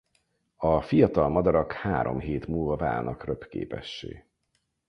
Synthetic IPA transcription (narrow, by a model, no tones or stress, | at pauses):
ɒfijɒt̪ɒlmɒd̪ɒɾɒkhaːɾo̞̰mɦeːt̪muːlvɒva̰ːlnɒ̰krøpkḛːpɛʃːḛː